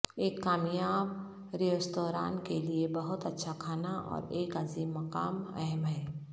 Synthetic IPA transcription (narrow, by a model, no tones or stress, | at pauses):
eːkːaːmjaːb | ɾiəst̪oːɾa̰ːnkeliebɐɦʊt̪ɐtːʃʰakʰaːnaʔɔ̰ːɾeːkaːziːmːɐka̰ːmɛ̰ɦɛmɦɛː